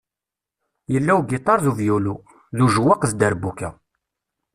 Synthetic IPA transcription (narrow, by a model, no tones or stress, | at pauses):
jəlːæwɡɪt̪ˤɑɾˤðuvjulu | ðuʒwaqðd̪əɾbukːæ